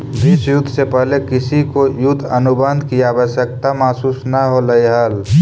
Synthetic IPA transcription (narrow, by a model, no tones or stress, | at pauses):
d̪isjʊd̪ʱːsepəɦlekɪsikojʊd̪ʰʱənʊbənd̪ʱkiaːʋəsjək̚t̪amaːsuːsnəɦoləiɦəl